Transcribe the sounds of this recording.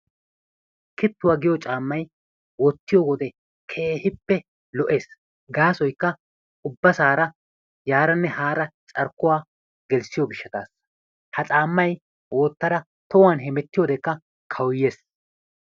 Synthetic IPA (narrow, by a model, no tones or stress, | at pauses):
kɪt̪ːʊwaːɡɪjɔt͡ʃʼaːmːɐj | wɔt̪ːɪjɔwɔd̪ɛ | kʰeːhɪpːɛ | lɔʔe̞ːs | ɡaːsɔjkːɐ | ʊbːɐsaːɾɐ | jaːɾɐnːɛhaːɾɐt͡ʃʼɐɾkːʊwaː | ɡɛlsɪjɔbɪʃːɐt̪a̰ːs | hɐt͡sʼaːmːɐj | wɔt̪ːɐɾɐ | t̪ɔwaːnɦɛmɛt̪ːɪjɔd̪ɛkːɐ | kʰɐwʊjːe̞ːs